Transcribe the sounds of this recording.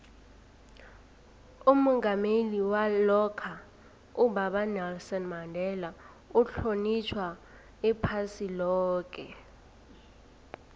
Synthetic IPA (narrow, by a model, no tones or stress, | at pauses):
umɔŋɡameliwalɔkʰa | ubaɓanɛlsɔnmandʱɛla | uɬonit͡ʃʰwa | ɛpʰasilɔːk̬ʼɛ